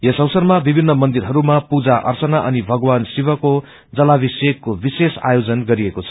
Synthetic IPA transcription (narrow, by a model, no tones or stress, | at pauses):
jesʌwsʌrmabibʱinːʌmʌnd̪irɦʌɾumapud͡zaʔʌ̰rt͡sʌnaʔʌnibʱʌɡwansibʌko | d͡zʌlabisekːobisesa̰jod͡zʌnɡʌɾiekot͡sʰʌ̥